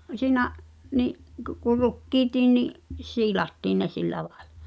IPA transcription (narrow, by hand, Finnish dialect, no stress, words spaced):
siːnæʔ niʔ kŭ ku rukːiːtiː niʔ siːlɑtːiːn ne silːæ lɑe̥l̥ɑ̥